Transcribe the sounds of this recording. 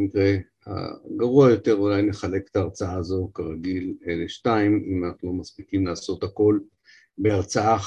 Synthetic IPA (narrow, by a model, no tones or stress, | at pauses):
kʁe | ha̰ɡaʁuajo̞te̞ʁulajneχale̞kt̪aːʁt͡saazo̞kaʁaɡileleʃtaimimanaχnulo̞maspikimlaːso̞t̪hako̞l | beaʁt͡saa